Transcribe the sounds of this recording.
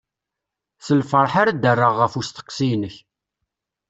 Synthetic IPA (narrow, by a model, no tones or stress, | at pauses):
səlfəɾˤħaɾad̪ərːəʁːəfust̪ə̥qːsijnəç